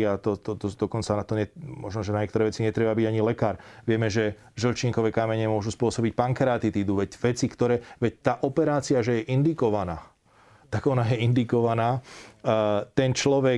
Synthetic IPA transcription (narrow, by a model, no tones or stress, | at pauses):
at̪ɔt̪ɔt̪ɔd̪ɔkɔnt͡sanat̪ɔɲɛmɔʒnɔʒɛnaɲɛkt̪ɔɾɛʋɛt͡siɲɛt̪ɾɛbabiɟaɲilɛkaːɾʋɪɛmɛʒɛ | ʒəlt͡ʃiŋkɔʋɛkamɛɲɛmʊɔʒuspʊɔsɔbic̚paŋkɛɾaːt̪it̪id̪uːʋɛcʋɛt͡sikt̪ɔɾɛːʋɛct̪aːʔɔpɛɾaːt͡siaʒɛjɛʔind̪ikɔʋanaː | t̪aɡɔnajɛind̪ikɔʋanaː | t̪ɛnt͡ʃlɔʋɛ